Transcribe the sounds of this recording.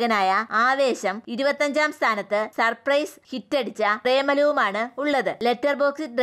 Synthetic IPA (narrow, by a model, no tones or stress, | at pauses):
ɣɐnaːjɐaːʋe̞ːɕɐmiɾubɐt̪ːɐɲd͡ʑaːmst̪ʰaːnɐt̪ːɨsɐrprɐjshitːeɽit͡ɕːɐreːmɐlɐʋumaːɳɨuɭːɐðɨle̞tːɐrbo̞ːksitɖr